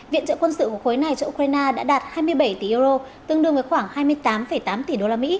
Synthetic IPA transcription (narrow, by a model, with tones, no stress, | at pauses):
vḭ˧˨ənt͡ɕə̰ː˧˨kwə˧nsɨ̰˧˨ku˧˩xo˨˦jna˨˩jt͡ɕɔ˧ʔkɾaː˧jnaː˧ɗa̰ː˧˥ɗaː˨˩t̚haː˧jmɨ˧əjɓə˧˩jt̪i˧˩ʔɨ˧ɾo˧ | t̪ɨ˧əŋɗɨ˧əŋvə˨˦jxwaː˧˩ŋhaː˧jmɨ˧əjt̪aː˨˦mfə˧˩jt̪aː˨˦mt̪i˧˩ɗo˧laː˧mḭ˧˥